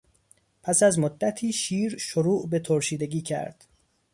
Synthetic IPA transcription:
pʰæsæzmod̪ːæt̪ʰiːʃiːɾʃoɾuːʔbe̞t̪ʰoɾʃiːd̪e̞ɡiːcʰæ̰ɾd̪̥

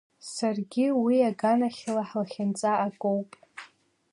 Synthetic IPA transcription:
sarɡʲiwiaɡanaχʲlaħlaχʲant͡sʼaːkʼowpʼ

